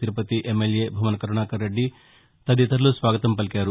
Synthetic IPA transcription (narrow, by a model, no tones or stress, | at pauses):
t̪iɾupɐt̪iʔemːeljeːbʱɐmɐnɐkɐɾuɳaːkɐɾːeɖːi | t̪ɐd̪it̪ɐɾlusʋaːɡɐt̪ɐmpɐlikaːɾu